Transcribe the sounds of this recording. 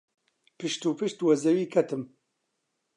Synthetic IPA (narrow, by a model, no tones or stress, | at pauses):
pɨʃt̪uːpɨʃt̪wɐzɐwiːkʰɐt̪ɨm